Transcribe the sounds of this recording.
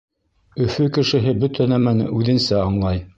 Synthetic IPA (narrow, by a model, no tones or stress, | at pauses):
ɵ̆fɵkɘ̆ʃɘ̆ɦɘbɵt̪ʰænæmænʉðɘ̆nsæɑɴlˠɑj